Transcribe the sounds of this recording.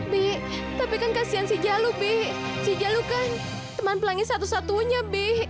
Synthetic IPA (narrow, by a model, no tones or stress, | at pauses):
bɛht̪apikankasiansid͡ʒalubɛhsid͡ʒalukan | t̪əmanpəlaŋɪsat̪usat̪uɲabɛh